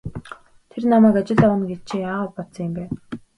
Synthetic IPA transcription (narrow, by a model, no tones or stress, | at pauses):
t̪ʰernamæːkat͡ɕɪ̆ɮɔwə̆nɡett͡ɕʰeːjaːʁaːpɔtt͡sɞ̆ŋjempæːw